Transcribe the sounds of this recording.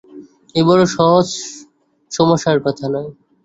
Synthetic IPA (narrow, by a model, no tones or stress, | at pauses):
ebɔɾoʃɔɦod͡ʑ | ʃɔmoʃːaɾkɔt̪ʰanɔe